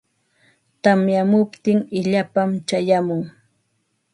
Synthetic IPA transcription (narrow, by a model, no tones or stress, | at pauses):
t̪amjamʊpt̪ɪŋɪʎapamt͡ʃajamʊŋ